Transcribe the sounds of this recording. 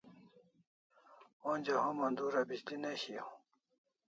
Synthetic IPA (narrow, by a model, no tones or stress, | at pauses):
õnd͡ʑahõmɐnd̪uɾabiɕd̪ineɕiõ